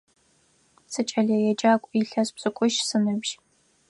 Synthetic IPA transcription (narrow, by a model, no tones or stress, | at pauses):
sɨt͡ʃʼɐɮɐjɛd͡ʒaːkʷʼiɬɐspz̥ʼɨkʷʼʊʃsɨnɨbʒ̥